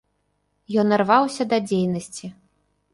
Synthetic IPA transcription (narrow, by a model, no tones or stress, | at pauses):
jɔnːɐrvawsʲɐd̪ɐd͡zʲejnɐsʲt͡sʲi